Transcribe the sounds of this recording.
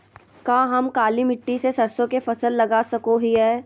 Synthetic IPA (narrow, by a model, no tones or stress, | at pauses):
kãːɦɐmkaːlimɪʈːisesɐɾsõkefɐsəlːɐɡasɐkoɦiɦɛː